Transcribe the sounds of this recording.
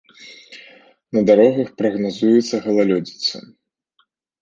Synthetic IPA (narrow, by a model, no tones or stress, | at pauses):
nɐd̪aɾɔɣɐxpɾɐɣnazujɛt̪sːɐɣɐlˠalʲɔd͡zʲit̪sːɐ̰